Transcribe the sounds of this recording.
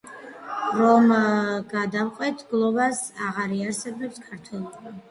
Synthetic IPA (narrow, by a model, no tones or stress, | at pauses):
ɾɔmɡad̪amqʼwɛt̪ʰɡlˠɔbasaʁaɾiaɾsɛbɛpskʰaɾt̪ʰwɛlˠ